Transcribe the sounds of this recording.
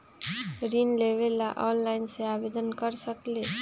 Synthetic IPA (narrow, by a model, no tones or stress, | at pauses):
ɾinleʋelaʔɔnlaɪnseabed̪ənkəɾsəkle